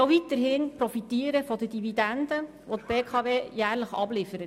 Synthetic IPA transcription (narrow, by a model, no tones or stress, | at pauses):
oʋit̪əɾɦɪːnpɾɔfit̪iːəɾəfɔdədividændə | ʋot̪̚b̥eːkʰɑʋeːjæːɾləχɑ̰b̥lɪfəɾət